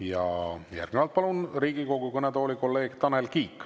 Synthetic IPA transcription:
jɑ̰jæ̰rɡ̥nevɑlt̪̚pɑlunriːɡiko̞ɡ̥ukɤnet̪o̞ːlʲiko̞lːe̞ːɡ̥t̪ɑnelkiːkː

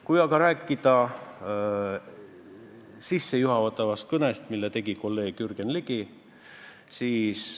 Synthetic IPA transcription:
kujɑɡɑɾæːkːˑid̪̥ɑ | sisːe̞juɦɑvɑt̪ːˑɑvɑst̪̚kɤnest̪milːet̪e̞ɡ̥iko̞lːe̞ːɡ̥yrɡ̥enliɡ̥i | siːs

